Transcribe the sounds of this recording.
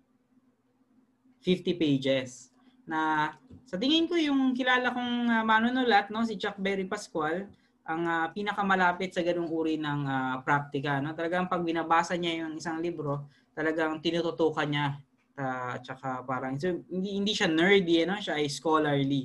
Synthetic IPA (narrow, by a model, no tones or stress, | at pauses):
fɪft̪ipejd͡ʒɛs | nɐsɐt̪ɪŋɪnko̞jʊŋkɪlaːlɐkoŋɐmaːnʊnʊlɐt̪̚no̞s̬ɪd͡ʒak̚bɛɾipɐskwal | ʔɐŋapiːnɐkɐmɐlaːpɪt̪sɐɡɐnoŋuːɾinɐŋapɾak̚t̪ɪkɐno̞t̪ɐlɐɡaŋpɐɡ̚bɪnɐbaːsɐɲajʊŋɪsaŋlibɾo̞ | t̪ɐlɐɡaŋt̪ɪnuːt̪ʊt̪oːkɐnɲa | t̪ɐt͡ʃɐkapaːɾɐŋsɛhɪnd̪ihɪnd̪iʃanɛɹd̪iɐno̞ʃaʔɐjskoːlɐɹli